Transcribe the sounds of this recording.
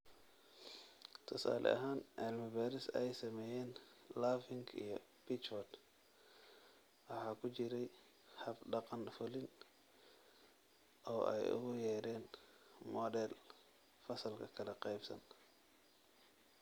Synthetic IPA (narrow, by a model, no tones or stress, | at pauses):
t̪ʰɔsa̰ːlʔɛ̰ʔɐ̰ɦaːnʕɪlmɐbaːɾɪsɛjsɐmɛːjɛːnlaːfɪŋɡʰḭjɞb̥ɪt͡ʃbɔd̪ | wɑħɑːkʰʊt͡ʃɪɾɛj | hɐbɖɑqɑnfʊlɪn | ʔɔːʔɛ̰jʊ̰ɣʊjɛːɾɛːn | mɔdɛl | fɐsɐlkʰɐkʰɐlɐqɑjbsɐ̰n